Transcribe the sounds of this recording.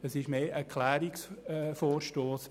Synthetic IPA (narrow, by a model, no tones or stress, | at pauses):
ɛsɪʃmeːʔɛɾkʰlɛːɾɪksfoːɾʃtoːs